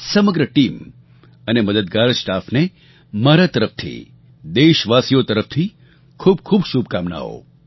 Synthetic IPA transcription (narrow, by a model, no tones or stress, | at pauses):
səməɡɾəʈiːm | əneməd̪əd̪ɡaɾsʈaːfne | maɾat̪əɾəft̪ʰḭ | d̪eːʃʋasijot̪əɾəft̪ʰi | kʰuːbkʰuːbʃubkaːmna̰o̰